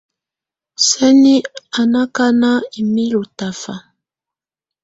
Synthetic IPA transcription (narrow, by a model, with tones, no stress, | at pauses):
sɛ˦ni˦a˨na˦ka˦na˦i˨mi˦lu˨ta˨fa̰˨